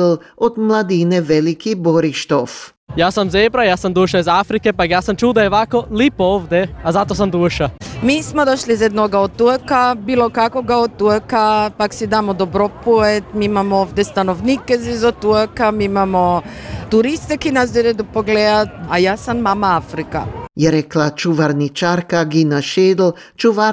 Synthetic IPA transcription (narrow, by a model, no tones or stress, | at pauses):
lod̪mlad̪iːnɛʋɛlikiboɾiʃt̪of | jaːsamzebɾajaːsamd̪uʃaizafɾikɛpakjaːsamt͡ʃuːlˠd̪ajɛʋakolipoovd̪ɛazat̪os̬amd̪uʃamiːsmod̪oʃlizjɛd̪noɡaot̪t̪ːukabiːlˠokakoɡaot̪ːuekapaksid̪aːmod̪obɾopuet̪miimamooʋd̪est̪anoʋniːkɛzizot̪ːuekamiimamot̪uɾist̪ekinazd̪oled̪opoɡled̪at̪ajaːsamːamaafɾika̰jɛɾɛklat͡ʃuʋaɾnit͡ʃaɾkaɡinaʃeːd̪l̩ | t͡ʃuʋa